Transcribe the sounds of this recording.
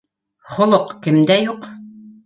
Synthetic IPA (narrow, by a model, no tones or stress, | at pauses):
χŏlˠoqkɘ̆md̪æjuq